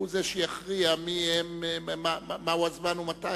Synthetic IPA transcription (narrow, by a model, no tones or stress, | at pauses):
uzeʃejaχʁiamiemmaamauazmanumata